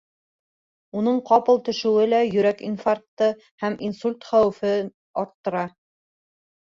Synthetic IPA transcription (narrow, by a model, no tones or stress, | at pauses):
unɤɴqɑpɤlˠt̪ɵ̆ʃɵ̆wɘlæjɵ̆ɾækinfark̚t̪ːɤ | hæminsulʲt̪χæwɘ̆fɘ | ɑɾt̪ːɤ̆ɾɑ